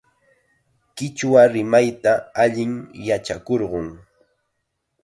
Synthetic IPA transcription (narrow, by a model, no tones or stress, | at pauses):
kɪt͡ʃwaɾɪmajt̪aːʎɪŋjat͡ʃakoɾɢʊŋ